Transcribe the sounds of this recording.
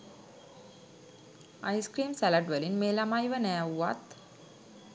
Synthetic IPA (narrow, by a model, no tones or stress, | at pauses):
a̰jskɾiːmsælaʈʋəlinmeːlamajʋənæːuʋa̰t̪